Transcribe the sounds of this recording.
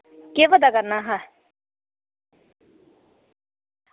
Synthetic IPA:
keʋad̪akəɾnaːɦa

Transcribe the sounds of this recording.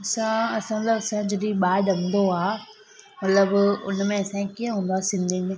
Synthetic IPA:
ɐsãɐsãmləɐsãd͡ʑɐɗiɓaːɖɐmnd̪oaː | mɐt̪ləbʊ̰nmẽɐsãːĩkiə̃ɦũːnd̪aːsɪ̃n̆d̪ʱĩnɪ

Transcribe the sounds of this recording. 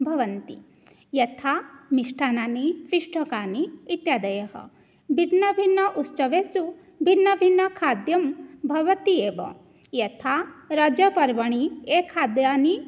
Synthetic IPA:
bʱɐʋɐnt̪ḭ | jɐt̪ʰamiʂʈʰaːnaːnipɾiʂʈʰɔkaːniːt̪jaːd̪ɐjɐɦɐ̰ | bʱiɖnɐbʱinːɐʔut͡ʃɐʋeːsu | bʱiɖːɐbʱinːɐkʰaːd̪jɐmbʱɐʋɐt̪ieːʋɐ̰̃ | jɐt̪ʰaɾɐd͡ʒɐpɐɾʋɐɳ̃iekʰaːd̪jaːni

